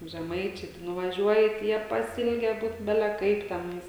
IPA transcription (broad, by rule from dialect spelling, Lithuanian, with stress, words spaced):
ʒʲɛˈmɐɪt͡ʃʲɛɪ tɐɪ nʊʋɐˈʒʲuɔjɪ tɐɪ ˈjiɛ pɐˈsʲɪlʲɡʲɛ ˈbuːt ˈbʲæːlʲɛ ˈkɐɪp tʲɛˈnɐɪs